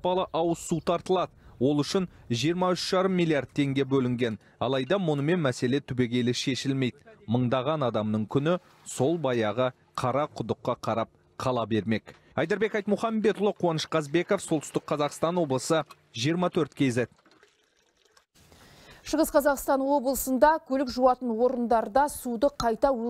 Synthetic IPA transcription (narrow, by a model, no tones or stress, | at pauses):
pɑlˠəʔɑwəsːut̪ʰɑɾt̪əlˠɑd̪əwo̞lˠʏʃɪnʒijəɾmɑʏʃʒ̥ɑɾəmːijlʲˠijard̪̚t̪ʰe̞ŋɡʲe̞bɵlɪŋɡʲe̞n | ɑ̰lˠɑjd̪ɑmʊnəme̞nmæse̞le̞t̪ʰʏbe̞ɡʲe̞lɪʃe̞ʃɪlme̞jd̪məɴd̪ɑʁɑnɑd̪ɑmnəɴkʲʰʏnɪ | so̞lˠbɑjɑʁə | qʰɑɾɑqʰʊd̪əqːɑqʰɑɾɑp̚ | qʰɑlˠɑbe̞ɾme̞k | ɑjd̪ɑɾbe̞kɑjt̪mʊχɑmbe̞t̪ʊlˠəqʰuwɑnəʃqɑzbe̞ko̞fso̞lˠt̪ə̥ʏst̪ɪk̚qʰɑzɑqst̪ɑnwo̞blˠəsə | ʒijəɾmɑt̪ʰɵɾt̪̚kʲʰe̞ze | ʃəʁəsqʰɑzɑqst̪ɑnwo̞blˠəsənd̪ɑkʲʰɵlɪkʒuɑt̪ənwo̞ɾənd̪ɑɾd̪ɑsud̪əqʰɑjt̪ɑw